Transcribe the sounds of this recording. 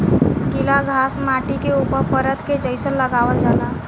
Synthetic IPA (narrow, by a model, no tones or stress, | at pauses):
kilaɡʱasmaʈikeupəɾpəɾət̪ked͡ʒəɪsənlːəɡaʋəld͡ʒala